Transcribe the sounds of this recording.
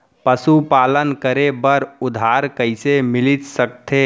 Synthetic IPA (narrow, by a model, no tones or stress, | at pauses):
pəsupaːlənkəɾebəɾʊd̪ʱaːɾkəɪsemɪlɪt̪səkt̪ʰe